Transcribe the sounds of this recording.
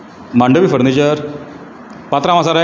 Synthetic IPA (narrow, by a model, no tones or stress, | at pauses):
maɳɖəʋiːfəɾnid͡ʑəɾ | pat̪ɾamãsaɾa